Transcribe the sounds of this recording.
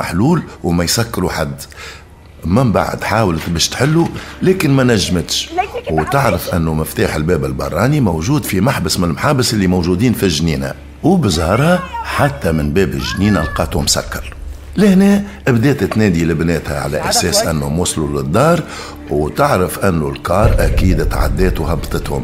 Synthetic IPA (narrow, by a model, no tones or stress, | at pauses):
a̰ħluːlwmæjsækːɾuħad̪ː | mɪmba̰ʕ̰d̪ħaːwlt̪bɛːʃt̪ħɪlːulɛːkɪnmænæʒːmət̪ʃwt̪ɪʕɾəfʔɪnːumɪft̪aːħɪlbɛːbɪlbɑ̰rˤːɑːnimowʒuːd̪fimaħbəsmɪnəlmħaːbəsʔɪlːimowʒud̪iːnfiʒniːnæ̰ | wbəzˤɑhɑɾˤhæħat̪ːæmɪnbɛːbɪʒniːnælqɑːt̪hʊmsa̰kːɑɾˤ | lɪhnɛːʔɪbd̪ɛːt̪t̪nɛːd̪iləbnɛːt̪hæ̰ʕa̰læ̰ʔæsɛːsʔænːhʊmwʊslulɪd̪ˤːɑːɾˤ | wt̪ɪʕɾəfʔɪnːulkɑːɾˤʔækiːd̪t̪ʕa̰d̪ːɛːt̪whɑbːt̪ˤət̪hʊ̰m